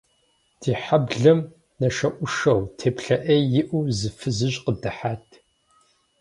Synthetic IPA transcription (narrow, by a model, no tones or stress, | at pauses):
d̥iːħabɮɨm | nɐʃɐʔʷʊʂɐwtʰeːpɬɐʔɐjɪʔʷuzɨfɨzɨɕʼqədɨħaːtʰ